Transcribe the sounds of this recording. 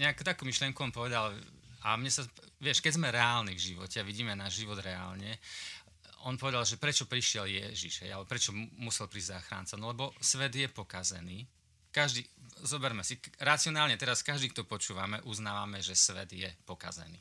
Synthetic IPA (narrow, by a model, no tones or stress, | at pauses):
ɲɛakt̪akuːmiʃlɪɛŋkuɔnpɔʋɛd̪alamɲɛsaʋɪɛʃkɛɟzmɛɾɛaːlnivʒiʋɔ̰cɛaʋiɟiːmɛnaʒʒiʋɔd̪ɾɛa̰ːlɲɛ | ɔnpɔʋɛd̪alʒɛpɾɛt͡ʃɔpɾiʃɪɛljɛʒḭʒ̥ɦɛ̰jalɛbɔpɾɛt͡ʃɔmusɛlpɾiːɟzaːxɾa̰ntt͡sanɔlɛbɔsʋɛd̪jɛpɔkazɛ̰niː | kaʒd̪izɔbɛɾmɛsiɾat͡siɔnaːlɲɛt̪ɛɾaskaʒd̪ikt̪ɔpɔt͡ʃuːʋamɛʔuznaːʋamɛʒɛsʋɛ̰d̪jɛpɔka̰zɛ̰nḭː